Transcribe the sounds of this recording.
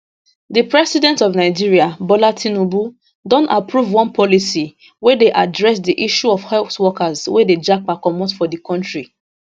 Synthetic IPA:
ðipɹɛsidɛ̃ntɔvnaɪd͡ʒiɹiabɔlatʰinobu | dɔ̃napʰɹuvwɔ̃npɔlisi | wɛdeʔadɹɛsdiʔiʃuɔv̥hɛswɔkazweded͡ʒak̚pakɔmɔ̃tfɔdikɔ̃ntɹi

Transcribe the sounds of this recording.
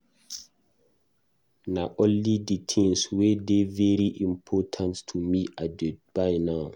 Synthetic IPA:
naʔɔ̃nliditʰĩŋswɛdevɛɾiʔĩmpʰɔtʰãnttʰumiʔadɛtb̥ajnãw

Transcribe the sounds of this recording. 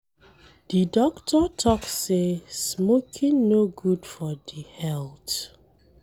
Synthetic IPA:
d̥idɔktʰɔtʰɔkssesmokʰĩŋnoɡud̥fɔdihɛlt

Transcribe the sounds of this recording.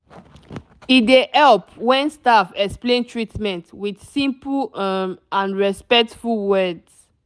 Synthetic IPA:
idehɛlpwɛ̃nstafɛksplẽntʰɹitmɛ̃ntwidsĩmplmãnɹɛspɛk̚tfuwɛds

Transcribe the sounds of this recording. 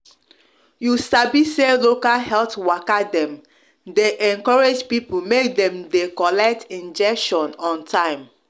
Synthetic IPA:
jusabiselokalhɛltwakadɛ̃m | deʔɛ̃ŋkɔɹed͡ʒpipumekdɛ̃mdekɔlɛk̚tʰĩnd͡ʒɛkʃɔ̃nɔ̃ntʰãɪ̃m

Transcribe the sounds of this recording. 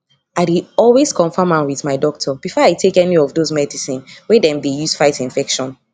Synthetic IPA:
aɪɾiɔlweskʰɔ̃nfɔmãnwiðmaɪdɔk̚tʰɔb̥ifɔaɪtʰekɛniɔvðozmɛdisĩnwɛdɛ̃mdejusfaɪtĩnfɛkʃɔ̃n

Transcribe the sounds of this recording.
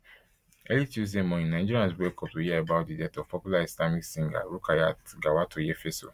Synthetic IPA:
ɛlitus̬ẽmɔ̃ĩnãd͡ʒiɾiãnsbɛkʰɔp̚sojiaebat̚didɛtɔv̥pʰɔpjulaislamiksĩŋɡa̰ɾukʰajatɡawatʰojɛfeso̰

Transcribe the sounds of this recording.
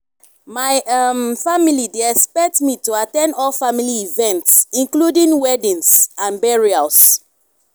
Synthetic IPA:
maɪamfamilideɛspɛk̚tmituatɛ̃ndɔlfamiliivɛ̃ntsĩnkludĩŋwɛdĩnsãnbɛɹias

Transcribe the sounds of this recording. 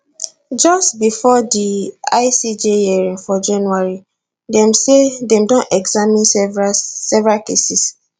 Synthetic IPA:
d͡ʒɔstbifɔdiaɪsid͡ʒejiɛɹĩnfɔd͡ʒãnuaɹi | dɛ̃msedɛ̃mdɔ̃nɛɡzamĩn | sɛvɹakesis

